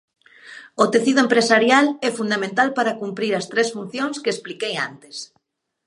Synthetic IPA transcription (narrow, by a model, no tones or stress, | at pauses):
ot̪eθiðʊempɾesaɾjalɛfund̪amẽnt̪alpaɾakumpɾiɾɐst̪ɾesfun̟θjõŋskeesplikeja̰nt̪es